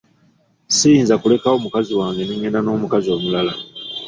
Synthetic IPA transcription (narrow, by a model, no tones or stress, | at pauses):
sijiːnzakule̞kao̞mukaziwaːŋɡe̞niɲenano̞ːmukazio̞ːmulala